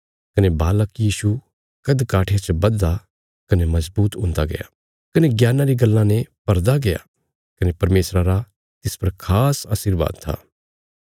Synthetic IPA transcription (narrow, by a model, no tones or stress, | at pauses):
kɐnebaːləkjiːʃu | kɐd̪kaːʈʰeat͡ʃbɐd̪ːa | kɐnemɐzbuːt̪ɦʊ̃nd̪aɡɐ̰ja̰ː | kɐneɡjaːnãɾiɡɐlːãnepɐɾd̪aɡɐja̰ | kɐnepɐɾmeːsɾaɾa | t̪ɪspɐɾkʰaːsaːsiɾba̰ːd̪̚t̪ʰa̰ː